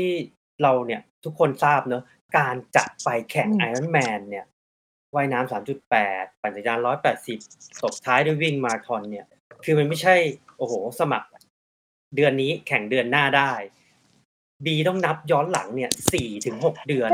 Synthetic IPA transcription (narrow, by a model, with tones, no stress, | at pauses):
t̪ʰiː˥˩ | ɾa˧wni˥˩ɐt̪ʰu˦˥kʰːo˧nsaː˥˩p̚nɤ˦˥ | kaː˧nt͡ɕa̰˨˩t̪̚pa˧jkʰɛ˨˩˦ŋa˧ja˦˥nmɛː˧nːi˥˩ɐ | wa˦˥˩jnaː˦˥msaː˩˦mt͡ɕu˨˩t̪̚pɛː˨˩t̪̚pa˨˩ŋsa˩˥t͡ɕaː˧nɾɔː˦˥jpɛː˨˩t̪̚si˨˩p̚so˨˩p̚t̪ʰaː˦˥jdu˥˩˨jwi˥˩ŋma˧ɾa˧t̪ʰɔ˧nːi˥˩ɐ | kʰɯː˧ma˧nma˥˩jt͡ɕʰa˥˩jʔoː˧˩hoː˨˩sa˧ma̰˨˩k̚ | dɯ˧ənːiː˦˥kʰɛ˨˩˦ŋdɯ˧ənːaː˥˩daː˥˩j | biː˧t̪ɔ˥˩ŋna˦˥p̚jɔː˦˥nla̰˩˦ŋni˥˩ɐsiː˨˩t̪ʰɯ˩˦ŋɦo˨˩k̚dɯ˧ə